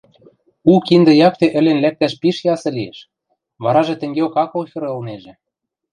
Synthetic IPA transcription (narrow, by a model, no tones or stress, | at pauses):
ukind̪ɤ̆jɑk̚t̪ĕʔɘ̆lenlæk̚t̪æʃpiʃjɑsɤ̆liḛʃ | βɑɾɑʒĕt̪ɘ̆ŋɡeokɑkŏlxʲeɾə̆lneʒĕ